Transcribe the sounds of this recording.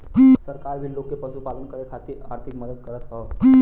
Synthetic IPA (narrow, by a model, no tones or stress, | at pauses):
səɾkaːɾbʱiloːkːepəʃupaːlənkəɾekʰaːt̪iɾa̰ːɾt̪ʰɪkməd̪əd̪kəɾət̪ɦɔː